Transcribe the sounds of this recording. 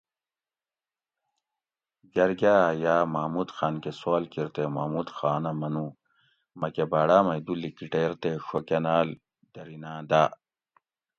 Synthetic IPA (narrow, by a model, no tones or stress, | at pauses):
ɡɐɾɡaːjaːmaːmud̪xaːnkesaːlkiɾt̪ema̰ːmud̪xaːnɐmɐnu | mɐkebaːɽaːmɐjd̪ulːikiʈeːɾt̪eɕokenaːl | d̪̥ɐɾinaːd̪aː